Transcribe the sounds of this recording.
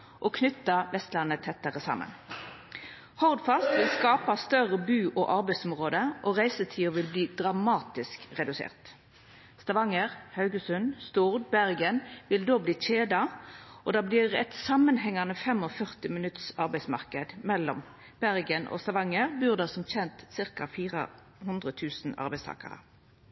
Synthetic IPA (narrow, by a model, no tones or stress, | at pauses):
ʔoːkʰnʏt̪ːɑʋɛst̪lɑnːət̪ʰɛt̪ːəʁəsɑ̰mə̰n | hɔʁd̪fɑst̪ʋɪlskɑːpɑst̪œʁəbʉːʔoʔɑʁbæɪsɔmʁoːd̪əʔoːʁæɪsət̪ʰiːoʋɪlbliːd̪̥ʁɑmɑːt̪ɪskʁɛd̪ʉsḛːʁt̪ | st̪ɑʋɑŋəʁhɑʉɡəsʉnst̪ʊʁd̪bæʁɡənʋɪld̪oːbliːc͡çeːd̪ɑʔɔd̪ɑːbliːʁɛt̪sɑmənɦɛŋɑnəfɛmɔfœʁt̪ɪmɪnʉt̪sɑʁbæɪsmɑ̰ʁkəd̪mɛlːɔm | b̥æʁɡənʔo̰ːst̪ɑʋɑŋːəʁbʉːʁd̪ɑsɔmçɛnt̪sɪʁkɑfiːʁə̰ | hʉnd̪ʁət̪ʰʉːsn̩ɑ̰ʁbæɪst̪ʰɑ̰ːkɑ̰ʁə̰